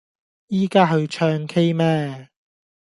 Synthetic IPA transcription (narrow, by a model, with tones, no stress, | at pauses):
jiː˥kaː˥ɦɵ˨˧ɥt͡ʃʰœː˥ŋkʰe˥jmɛː˥